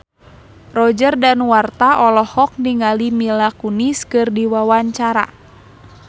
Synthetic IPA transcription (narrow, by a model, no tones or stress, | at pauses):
rɔd͡ʒərdanwart̪aʔɔlɔhɔk̚niŋalimilakuniskɨrdiwawaɲt͡ʃaɾa̰